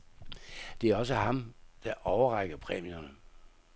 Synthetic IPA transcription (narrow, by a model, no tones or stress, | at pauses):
d̥e̝æɐɒ̽s̬əɦɑ̈md̥ɑ̈ʔɒʊɐʁɑ̈ɡ̥ɐpʰʁɛːmionə